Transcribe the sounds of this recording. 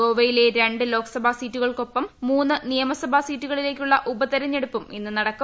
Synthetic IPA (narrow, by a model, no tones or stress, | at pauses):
oːʋɐjile̞ɾe̞ɳɖɨlo̞ːkɐ̥sɐbʱasiːtːuɣɐɭko̞pːɐmːuːnːɨnijɐmɐsɐbʱasiːtːuɣɐɭile̞ːk̬ʲːuɭːɐʔubɐt̪ɐɾɐɲːeɽupːuminːɨnɐɽɐkːɐ